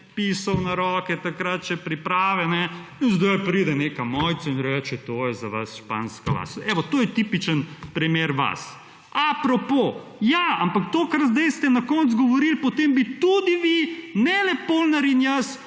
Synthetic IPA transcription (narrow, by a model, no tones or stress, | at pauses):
pisɐwnaɾɔkɛt̪akɾat̪̚t͡ʃɛpɾipɾaːʋɛnɛinzd̪ojpɾid̪ɛnekɐmɔjt̪sainɾɛt͡ʃɛt̪oːjɛzaʋa̰sʃpa̰ːnskala̰sɛʋɔt̪oːjɛt̪ipit͡ʃənpɾimeɾʋa̰s | apɾɔpo | jaampakt̪okɐɾzd̪ɐjst̪ɛnakɔnt̪sɡɔʋɔɾilpɔt̪embit̪ud̪iʋinɛlɛpolnaɾinjas